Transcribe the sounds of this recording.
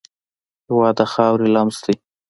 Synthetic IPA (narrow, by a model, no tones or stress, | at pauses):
hwɑd̪axɑwɾilamst̪i